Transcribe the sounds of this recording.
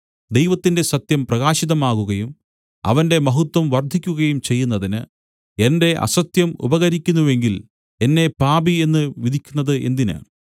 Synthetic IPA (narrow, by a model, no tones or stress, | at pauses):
d̪ejʋɐt̪ːinde̞sɐt̪jɐmprɐɣaːɕiðɐmaːɣuɣɐjum | ɐ̰ʋɐnde̞mɐɦut̪wɐmʋɐrd̪ʱikʲːuɣɐjumt͡ɕe̞jːunːɐðinɨ | e̞nde̞ʔɐ̰sɐt̪jɐmṵbɐɣɐɾikʲːunːuʋe̞ŋɡil | e̞nːe̞paːbie̞nːɨʋid̪ʱikʲːunːɐðɨʔe̞̰nd̪inɨ̰